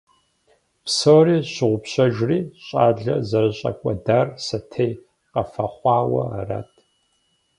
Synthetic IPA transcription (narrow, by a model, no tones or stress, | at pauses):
psoriːɕɪʁʷʊpɕɐʒriːɕʼaːɮɐzɐrɨɕʼɐ̰kʷʼɐdaːrsɐtʰej | qɐfɐχʷɑːwɐ̰a̰ra̰ːtʰʼ